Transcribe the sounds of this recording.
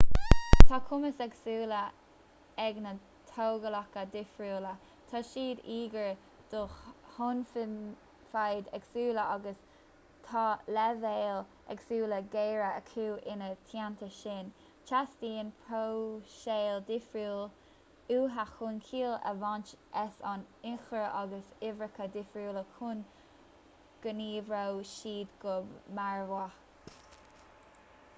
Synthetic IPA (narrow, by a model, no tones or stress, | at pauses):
t̪ʰɑːkʰʊməsɛɡsuːlə | ɛɡnə | t̪ʰoːɡəlɑkəd̪ɪfɹuːlə | t̪ʰɑːʃiːd̪iːɡəɹ | d̪̥ʊxhʊnfɪn | fajd̪ɛɡsuːləɑɡəs | t̪ʰɑlɛveːl | ɛɡsuːləɡeːɹəəkʰuːʔɪnət̪ʰjant̪ʰəʃɪn | t͡ʃʰasdiːnpʰɾowʃeːld̪ɪfɹuːl | uːɦaxʊnkʰiːlə̰vɑnt͡ʃʔɛsɑ̰nɪxɾəʔɑɡəsɪvɹəkʰəd̪ɪfɹuːləkʰun | ɡ̥əniːvɹowʃiːdɡʊmaɹwa